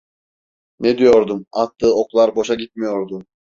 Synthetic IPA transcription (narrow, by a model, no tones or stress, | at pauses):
nɛd̪ijo̞ɾd̪umat̪ːɯːoklˠaɾbo̞ʃaɡit̪̚mijo̞ɾd̪u